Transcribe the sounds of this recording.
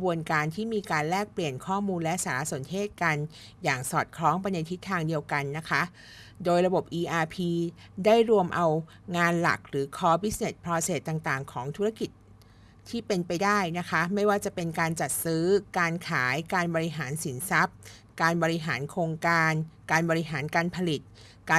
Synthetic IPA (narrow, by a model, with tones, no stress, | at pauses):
bu˧ənkaː˧nt̪ʰiː˥˩miː˧kaː˧nlɛː˥˩k̚pli˨˩ənkʰɔː˥˩muː˧nlɛ˦˥saː˩˦ɾa˦˥su˨˩˦nt̪ʰeː˥˩t̪̚ka˧n | jaː˨˩ŋsɔː˨˩t̪̚kʰlɔː˦˥ŋba˧nja˧t̪ʰi˦˥t̪ʰːaː˧ŋdi˧əwka˧nːa˦˥kʰa˦˥ʔ | doː˧jɾa˧bo˨˩p̚ʔiː˧ʔaː˧pʰiː˧ | daː˥˩jɾu˧əmʔa˧w | ŋaː˧nla̰˨˩k̚ɾɯː˩˦kʰɔː˦˥bi˦˥s̚ne˨˩s̚pʰɾɔː˧seː˨˩t̪ːaː˨˩ŋt̪aː˨˩ŋkʰɔː˩˦ŋt̪ʰu˦˥ɾa˥˩ki˨˩t̪̚ | t̪ʰːiː˥˩pe˧npa˧jdaː˥˩jna˦˥kʰa˦˥ma˥˩jwaː˥˩t͡ɕa˨˩pe˧nkaː˧nt͡ɕa˨˩t̪̚sɯː˦˥kaː˧nkʰaː˩˦jkaː˧nbɔː˧ɾi˧˥ɦaː˩˦nsi˩˦nsa˦˥p̚ | kaː˧nbɔː˧ɾi˧˥ɦaː˩˦nkʰoː˧ŋkaː˧nkaː˧nbɔː˧ɾi˧˥ɦaː˩˦nkaː˧npʰa˧li˨˩t̪̚ | kaː˧